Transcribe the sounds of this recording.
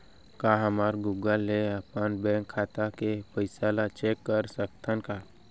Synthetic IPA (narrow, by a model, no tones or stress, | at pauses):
kaɦəmaːɾɡuɡəlːeɐpənbɛ̃ːŋkʰːaːt̪akefəɪsaːlat͡ʃeːkːəɾsək̚t̪ʰənkaː